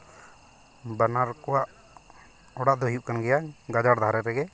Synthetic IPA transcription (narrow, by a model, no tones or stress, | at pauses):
banaɾkɔwaʔ | ɔɽaʔd̪ɔɦijuʔkanɡɛjaʔɡad͡ʒaɽd̪ʱaɾɛɾɛɡɛ